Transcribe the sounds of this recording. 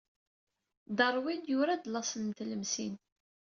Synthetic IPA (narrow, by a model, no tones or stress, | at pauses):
d̪ɑrˤwid̪jʊɾad̪lɑsˤənmt̪ləmsḭn